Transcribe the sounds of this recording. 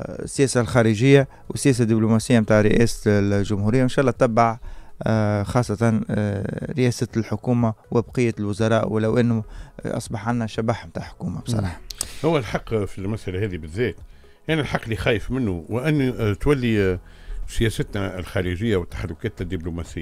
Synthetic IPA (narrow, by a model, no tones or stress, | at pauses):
sːjæːsalxɑːɾəʒɪjːa | wɪsːjæːs̬ad̪ːiblumæsɪjːamt̪aːʕɾɪʔæ̰ːsʒʊmhuɾɪjːaɪnʃaːʔlːɑːt̪ːɑbːaʕ | xɑːsˤːɑt̪ɑn | ɾɪʔæːsalħʊkuːmawɪbqɪjːalwʊzɑɾˤɑːʔwɪlːæwʔɪnːʊʔɑ̰sˤbɑħʕanːæʃæbaːħmt̪aːʕħʊ̥kuːmab̥sˤɑ̰ˤɑ̰ːħɑhʊwːælħɑqːfilmæsʔalæhɛːðibɪðːɛːt̪ | ʔænælħɑqːlixæːjəfmɪnːuwʔɪnːt̪wælːi | sjɛːsət̪nælxaːɾəʒɪjːawɪt̪ːḁħarːʊkæːt̪d̪ːiblumæsɪjːa